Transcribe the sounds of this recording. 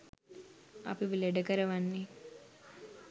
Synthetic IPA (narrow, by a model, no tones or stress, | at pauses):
a̰piʋileɖəkəɾəʋanːi